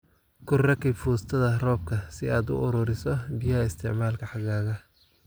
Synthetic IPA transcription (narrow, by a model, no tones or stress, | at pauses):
kʰʊrɐkʰɛfuːst̪ʰɐðɐrɔːb̚kʰɐsɪaːd̪ʊ̰ʔʊɾʊɾɪsɔbɪjɐɪst̪ʰɪʕmaːlkʰɐħɑɣaːɣɐ